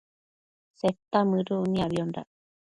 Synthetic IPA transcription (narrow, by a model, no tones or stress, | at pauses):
set̪ːamɨɾuʔniaβionɾa̰